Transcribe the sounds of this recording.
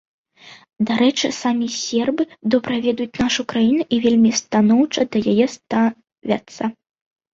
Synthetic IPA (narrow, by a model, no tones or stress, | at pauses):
d̪aɾɛt͡ʂɨsamʲisʲɛrbɨd̪ɔbɾɐvʲɛd̪ujut͡sʲnaʂukɾajinuʔivʲelʲmʲist̪anɔwt͡ʂɐd̪ɐjajɛst̪a | vʲa̰t̪sːɐ